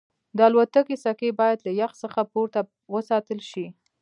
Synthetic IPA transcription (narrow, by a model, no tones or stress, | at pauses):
d̪əalwat̪akesakebɑjad̪lajaxsəxapoɾt̪a | wəsɑt̪əlʃi